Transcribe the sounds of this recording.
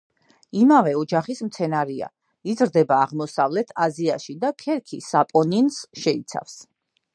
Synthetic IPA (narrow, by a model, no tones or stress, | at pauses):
imavɛɔd͡ʒaχismt̪sʰɛnaɾia̰ | izɾd̪ɛbaːʁmɔsavlɛt̪ʰaziaʃid̪akʰɛɾkʰisapʼɔninsʃɛit̪sʰa̰fs